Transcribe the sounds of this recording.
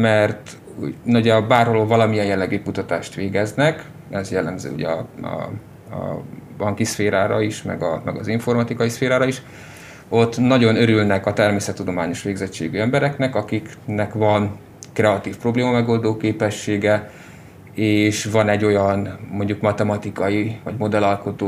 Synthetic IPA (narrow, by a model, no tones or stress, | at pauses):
mɛrt̪ | ṵnoɟɛbaːrholovɒlɒmijɛnjɛlːɛɡyːkut̪ɒt̪aːʃt̪ʋeːɡɛznɛk | ɛzjɛlːɛmzø̰ːṵɟɛɒ̰ | ɒ̰bɒŋkisfeːɾaːɾɒiʃmɛ̰ɡɒmɛɡɒziɱfo̞rmɒt̪ikɒisfeːɾaːɾɒiʃ | ot̪ːnɒɟo̞nø̞ɾylnɛkɒt̪ɛrmeːsɛt̪ːud̪o̞maːɲo̞ʃʋeːɡzɛt͡ʃːḛːɡyɛmbɛɾɛknɛkɒkiknɛkvɒn | krɛɒt̪iːfpro̞bleːmɒmɛɡo̞ld̪oːkeːpɛʃːeːɡɛ | eːʃvɒnɛɟːo̞jɒnmo̞ɲɟukmɒt̪ɛmɒt̪ikɒjivɒɟmo̞d̪ɛlɒlko̞t̪oː